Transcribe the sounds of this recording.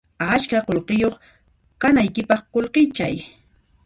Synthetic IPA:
at͡ʃkaqolqɪjoχ | kanajkɪpɑχqolqɪt͡ʃa̰j

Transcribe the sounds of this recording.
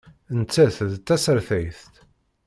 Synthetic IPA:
ənt͡sːæθðt̪ːæsəɾθæjθt̪

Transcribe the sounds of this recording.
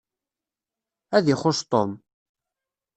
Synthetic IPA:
æðiχʊʃt̪ˤom

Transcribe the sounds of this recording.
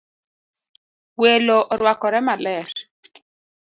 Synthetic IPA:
weloʔɔɾwakɔɾɛmalɛɾ

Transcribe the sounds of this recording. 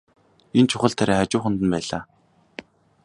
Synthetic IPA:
ent͡ɕʰʊχə̆ɮt̪ʰaɾaːat͡ɕʊːχə̆nt̪ə̆npæːɮa̰ː

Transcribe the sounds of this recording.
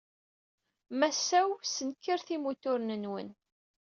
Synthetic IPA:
mæsæwsənkːəɾθimut̪ʊɾnənwə̰n

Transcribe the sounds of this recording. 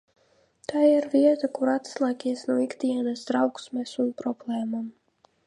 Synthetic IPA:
t̪aːiɾviɛt̪akuɾat̪slˠaːkʲiɛsnuikt̪iɛnasd̪ɾawksmɛsunpɾɔblˠɛːmam

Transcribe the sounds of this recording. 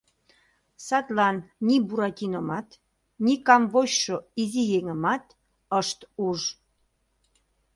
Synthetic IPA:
sɑt̪lɑnːibuɾɑt̪ʲinomɑt̪ | nikɑmvoɕʃoizijeŋəmɑt̪ | əʃt̪uʒ

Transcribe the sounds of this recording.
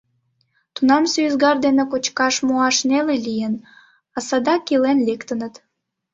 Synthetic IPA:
t̪unɑmsyzɡɑrd̪enekot͡ɕkɑʃmoɑʃnelelijən | ɑsɑd̪ɑkilenlekt̪ənət̪

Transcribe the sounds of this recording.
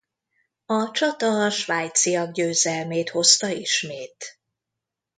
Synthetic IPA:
ɒt͡ʃɒt̪ɒʃvaːjt̪sijɒɡ̚ɟøːzɛlmeːt̪ho̞st̪ɒiʃmeːt̪

